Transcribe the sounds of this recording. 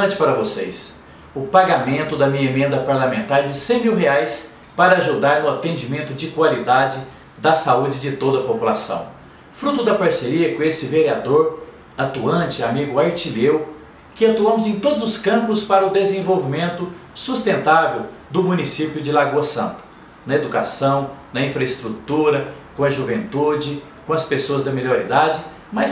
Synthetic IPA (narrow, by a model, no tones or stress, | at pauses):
ɐ̃t͡ʃɪ̥paɾɐvosḛjs | ʊpaɡamẽnt̪ʊd̪ɐmĩɲɐemẽnd̪ɐpaɾlamẽnt̪aɾɛd͡ʒɪsẽj̃miwɦeajs | paɾɐaʒud̪aɾnʊat̪ẽd͡ʒimẽnt̪ʊd͡ʒɪkwalid̪ad͡ʒɪ | d̪ɐsaud͡ʒɪd͡ʒɪt̪od̪ɐpopulasɐ̰̃w̃ | fɾut̪ʊd̪ɐpaɾseɾiɐkõesɪveɾiad̪oɾ | at̪uɐ̃t͡ʃɪamiɡʊaɾt͡ʃilew | kɪat̪uɐ̃mʊzẽj̃t̪od̪ʊzʊskɐ̃mpʊspaɾɐʊd̪ezẽvowvimẽnt̪ʊsust̪ẽnt̪avew | d̪ʊmũnisipjʊd͡ʒɪlaɡoɐsɐ̰̃nt̪ʊ̥ | nɐed̪ukasɐ̃w̃nɐĩfɾɐɪst̪ɾut̪uɾɐkõɐʒuvẽnt̪ud͡ʒɪ | kõɐspesoɐzd̪ɐmiʎoɾid̪ad͡ʒɪ | mɐs